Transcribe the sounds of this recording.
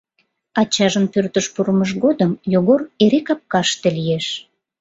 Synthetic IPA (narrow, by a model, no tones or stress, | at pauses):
ɑt͡ɕɑʒənpørt̪əʃpuɾəməʒɣod̪əmjoɣoreɾekɑp̚kɑʃt̪elijeʃ